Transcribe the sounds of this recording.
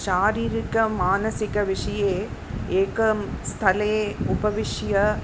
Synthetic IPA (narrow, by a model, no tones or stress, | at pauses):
ʃaːɾiːɾɪkːɐmaːnɐsɪkːɐʋɪʂɐjeː | eːkɐmst̪ʰɐlɐʊbɐʋɪʂjɐ